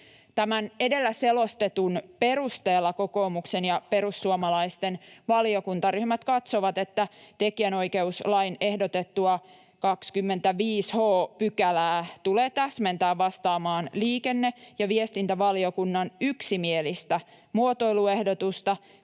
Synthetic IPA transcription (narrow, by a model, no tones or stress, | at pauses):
t̪æmænedelːæselo̞st̪et̪unpe̞ɾust̪eːlːɑko̞ko̞ːmuksenjɑpe̞ɾusːuɑmɑlɑist̪enʋɑliokunt̪ɑryhmæt̪kɑt̪soʋɑt̪et̪ːæt̪ekiæno̞ike̞uslɑine̞hdot̪et̪ːuɑ | kɑkskymːent̪æʋiːshoːpykælæːt̪uleːt̪æsment̪æːʋʋɑst̪ɑːmɑːnliːkenːejɑʋiest̪int̪æʋɑliokunːɑnyksimielist̪æ | muot̪o̞ilue̞hdot̪ust̪ɑ